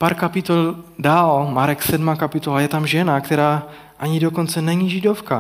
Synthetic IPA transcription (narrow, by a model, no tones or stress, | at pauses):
paɾkapɪt̪oldaːlmaɾɛksɛdmaːkapɪt̪olajɛt̪amʒɛnakt̪ɛɾaː | ʔaɲidoko̞nt͡sɛnɛɲiʒɪdofka